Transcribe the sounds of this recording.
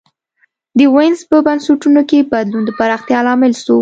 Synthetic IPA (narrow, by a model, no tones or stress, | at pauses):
d̪əwɪnzpəbansuʈunokebad̪lund̪əpaɾɑxt̪jɑlɑmɪlso